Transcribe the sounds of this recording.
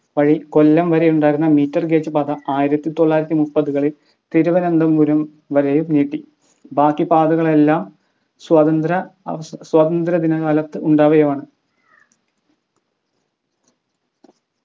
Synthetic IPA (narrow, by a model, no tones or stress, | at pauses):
ʋɐɻiko̞lːɐmʋɐɾejuɳɖaːjiɾunːɐmiːtːɐrɡe̞ːt͡ɕːɨpaːd̪ɐaːjiɾɐt̪ːit̪oɭːaːjiɾɐt̪ːimupːɐðuɣɐɭil | t̪eɾuʋɐnɐnd̪ɐmuɾɐm | ʋɐɾejumneːʈːi | baːkːipaːd̪ɐɣɐɭe̞lːaːm | swɐðɐnd̪ɾɐswɐd̪ɐnd̪ɾɐd̪inɐɐlɐt̪ːɨʔuɳɖaːʋɐjɐmaːɳɨ